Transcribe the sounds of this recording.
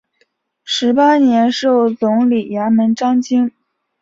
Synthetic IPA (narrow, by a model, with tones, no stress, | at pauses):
ʂɻ̩˧˥pa˥njɛ˧˥nʂo˥˩ʊt͡sʊ˧˥ŋli˨˩ja˧˥mə˧˥nʈ͡ʂɑ˥ŋt͡ɕi˥ŋ